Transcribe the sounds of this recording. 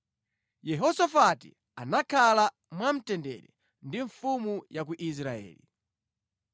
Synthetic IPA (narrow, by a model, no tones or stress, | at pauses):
jɛɦɔsafatḭ | anakʰala | mwam̩tɛndɛ̰ɾɛ̰ | ndiɱfumujak̬uʔis̬ɾaɛ̰ːli